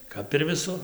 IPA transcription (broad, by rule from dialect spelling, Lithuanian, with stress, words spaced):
ˈkɐp ɪr ʋʲɪˈsʊr